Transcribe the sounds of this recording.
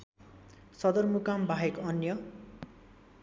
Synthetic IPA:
sʌd̪ʌrmukambʱaɦekʌnjʌ

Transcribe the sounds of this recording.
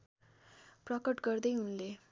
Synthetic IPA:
pɾɔkəʈɡəɾd̪eunle

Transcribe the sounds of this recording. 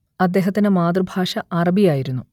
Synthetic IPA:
ɐd̪ːe̞ːɦɐt̪ːinɨmaːd̪rɨbʱaːʂɐʔɐrɐbʱijaːjiɾunːu

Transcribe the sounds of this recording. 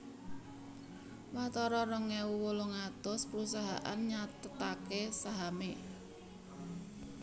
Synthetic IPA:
wat̪ɔɾɔɾɔŋɛwuwoloŋad̪̥ɔspəɾusaɦa̰ʔa̰nɲat̪ət̪akesaɦame

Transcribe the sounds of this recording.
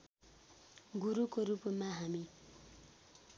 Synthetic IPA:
ɡuɾukoɾupmaɦami

